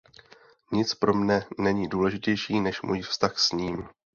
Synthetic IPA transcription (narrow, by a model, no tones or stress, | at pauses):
ɲɪt͡spɾo̞mnɛnɛɲiːduːlɛʒɪcɛjʃiːnɛʃmṵjfst̪axsɲiːm